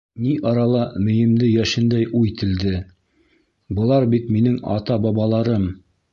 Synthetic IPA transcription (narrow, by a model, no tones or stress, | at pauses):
niʔɑɾɑlˠɑmɵ̆jɘ̆md̪ɘjæʃɘ̆nd̪æjʔuit̪ɘ̆ld̪ɘ | bɤ̆lˠɑɾbit̪minɘŋɑ̰t̪ɑbɑβɑlˠɑɾɤm